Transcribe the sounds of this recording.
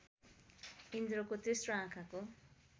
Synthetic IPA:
ind̪ɾokot̪esroãkʰako

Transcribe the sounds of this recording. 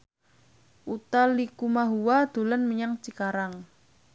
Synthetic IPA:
ʔut̪alikumaɦuwad̪̥ṳlanməɲaŋt͡ʃikaɾaŋ

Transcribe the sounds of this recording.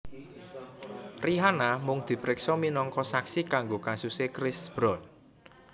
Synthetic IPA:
riɦanamʊŋd̪̥i̤pɾɪksɔminɔŋkɔsaksikaŋɡokasusekɾɪsb̥ɾɔn

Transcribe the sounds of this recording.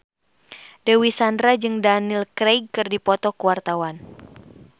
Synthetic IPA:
dɛwisandɾad͡ʒɨŋdanilkɾeɡ̚kɨrdipɔt̪ɔkuwart̪awan

